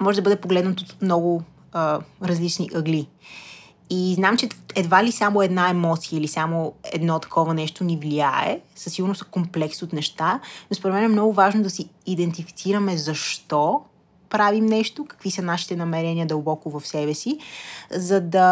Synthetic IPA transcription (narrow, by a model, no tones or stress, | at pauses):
mɔʒɛd̪ɐbəd̪ɛpoɡlɛd̪nət̪ot̪mnɔɡʊ | əɾɐzlit͡ʃniʔɐɡli | iznamt͡ʃɛɛd̪valisamoɛd̪naɛmɔt̪siəilisamoɛ̰d̪nɔt̪ɐ̥kʰɔvɐnɛʃt̪onivliaɛ̰sɐ̥siɡʊɾnosɐkomplɛksot̪nɛʃt̪anospoɾɛt̪mɛnɛmnɔɡʊvaʒnod̪ɐsiːd̪ɛnt̪ifit̪siɾɐmɛzɐʃt̪ɔ | pɾavimnɛʃt̪okɐ̥kvisɐnaʃi̥t̪ɛnɐmɛɾɛniəd̪ɐlˠbɔkʊvɐfsɛbɛsizɐd̪ɐ